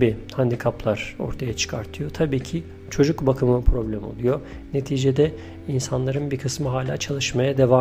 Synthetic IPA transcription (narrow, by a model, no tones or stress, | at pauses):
iːhand̪ikʰaplˠaɾ̥o̞̰ɾt̪ʰajat͡ʃʰɯ̥kʰaɾt̪ʰɯjo̞t̪ʰabiːcʰi | t͡ʃʰo̞d͡ʒukbakʰɯmɯpʰɾo̞blʲæmo̰lˠujo̞ | ne̞t̪ʰiːd͡ʒed̪ɛ | insanlˠaɾɯnbikʰɯsmɯɦaːlʲa̰ːt͡ʃʰalˠɯʃmajad̪e̞va